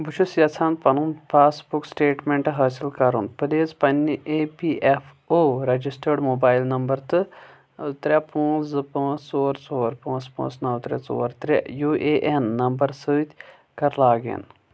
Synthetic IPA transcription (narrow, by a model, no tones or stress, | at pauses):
but͡ʃʰusjɐt͡sʰãːnpɐnunpʰaːsbuksʈeːʈmẽɳʈɦɐːsilkɐɾunpɨd̪eːzpɐnʲːiʔepiːʔefʰ | oːɾɐd͡ʒisʈəɾɖmoːbaːjlnɐmbɐɾt̪ɨ | t̪ɾʲapɐ̃ːt͡sɨpãːt͡soːɾt͡soːɾpãːt͡spa̰ːsnɐwt̪ɾʲat͡so̰ːɾt̪ɾʲajuːʔeːʔenːɐmbɐɾsɨːt̪ʲ | kɐɾlaːɡḛn